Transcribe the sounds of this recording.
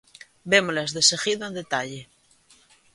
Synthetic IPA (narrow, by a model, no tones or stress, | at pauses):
bemolezðeseɣiðoẽnd̪et̪aʎe